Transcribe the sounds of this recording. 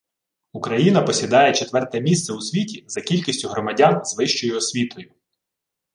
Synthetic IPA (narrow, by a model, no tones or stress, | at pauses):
ukɾɐjinɐpɔsʲid̪ɑjɛt͡ʃet̪ʋɛrt̪ɛmʲist̪sɛusʲʋʲitʲizɐkʲilʲkʲisʲtʲʊɦɾɔmɐdʲanzʋɪʃt͡ʃɔjʊɔsʲʋʲit̪ɔjʊ